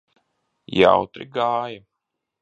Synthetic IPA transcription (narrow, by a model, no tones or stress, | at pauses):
ja̰wt̪ɾḭɡaːja